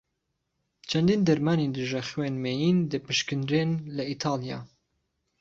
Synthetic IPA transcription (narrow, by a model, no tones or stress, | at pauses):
t͡ʃʰɛnd̪ind̪ɛɾmaːnind̪ɨʒɛxweːnmeːjiːnd̪ɨpɨʃkɨnɾenlɛit̪ʰɑːlijɑ̰ː